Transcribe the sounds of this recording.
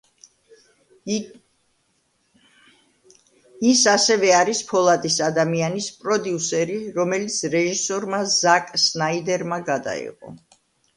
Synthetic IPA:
isasɛvɛaɾispʰɔlˠad̪isad̪amianispʼɾɔd̪iusɛɾiɾɔmɛlit̪sʰɾɛʒisɔɾmazakʼsnaid̪ɛɾmaɡad̪a̰ḭqʼɔ̰

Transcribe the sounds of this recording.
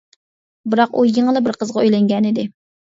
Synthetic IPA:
bɨɾɑqujəŋəlˠɨbɪɾqəzʁɑøjlɛŋɡʲɛnɪd̪ɪ

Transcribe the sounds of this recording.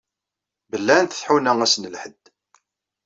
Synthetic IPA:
bəlːænθə̥θħunæŋæsnəlħəd̪

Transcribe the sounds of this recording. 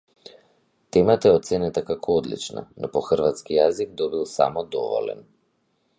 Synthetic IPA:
t̪ɛmat̪aɛɔt̪sɛnɛt̪akakʰɔɔd̪lḭt͡ʃna̰nʔɔpɔxr̩vat̪skijaziɡ̚d̪ɔbilˠsa̰mɔd̪ɔvɔ̰lɛ̰n

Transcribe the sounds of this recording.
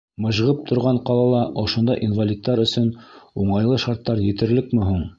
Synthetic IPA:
mɤ̆ʑʁɤp̚t̪ʰŏɾʁɑɴqɑlˠɑlˠɑʔŏʃŏnd̪ɑʔinvalʲit̪ːɑɾɵ̆sɵnuɴɑjlˠɤʃɑɾt̪ːɑɾjɘ̆t̪ɘ̆ɾlɘkmɘɦuɴ

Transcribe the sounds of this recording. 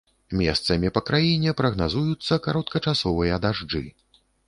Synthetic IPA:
mʲɛ̰st̪sɐmʲipɐkɾajinʲɛpɾɐɣnazujut̪sːɐkaɾɔt̪kɐt͡ʂasɔvɨjɐd̪aʐd͡ʐɨ̰

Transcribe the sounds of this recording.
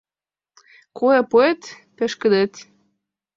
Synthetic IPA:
koepoet̪ | pĕʃkə̆d̪et̪

